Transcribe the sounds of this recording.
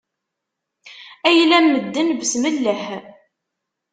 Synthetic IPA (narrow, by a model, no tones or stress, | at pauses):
æjlænːəd̪ːənvsməlːəh